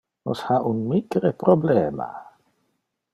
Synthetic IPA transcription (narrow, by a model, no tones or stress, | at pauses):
no̰shaʔunmikɾepɾoblɛːma̰